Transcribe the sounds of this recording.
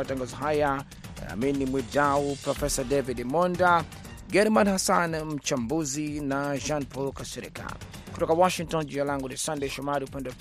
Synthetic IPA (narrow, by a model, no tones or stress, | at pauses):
ataŋɡazɔɦaja | a̰minimwidaupɾɔfɛsadɛvidmɔnda | ɡɛɾmanhasanm̩t͡ʃambuzinaʒanpɔlkasɛɾḭka̰ | kutɔkawɔʃiŋ̚tɔnd͡ʒinalaŋɡunisandɛjʃɔmaɾiupɛndɛ